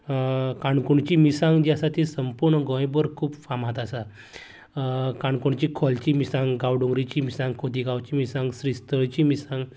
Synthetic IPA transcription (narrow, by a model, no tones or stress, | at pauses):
kãɳkuɳt͡ɕiːmisãŋɡd͡ʑasat̪ʰisəmpuɾɳəɡɔ̃jbəɾkʰuːbfamɦat̪asa | kaɳkuɳt͡ɕiːkʰɔlt͡ɕiːmisãŋɡɡawɖõŋɡɾit͡ɕiːmisãŋɡkʰod̪iɡawt͡ɕiːmisãŋɡsɾist̪əɭt͡ɕimisãŋɡ